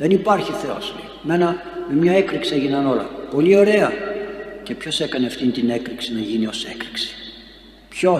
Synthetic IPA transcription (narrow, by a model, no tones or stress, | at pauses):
ðe̞nipɐɾçiθeo̞̰slḛime̞nɐmemɲɐekɾiksieʝinɐno̞lɐ̰po̞lio̞ɾe̞ɐ | ce̞pço̞se̞kɐneɐft̪int̪inekɾiksinɐʝinio̞sekɾiksi̥ | pço̞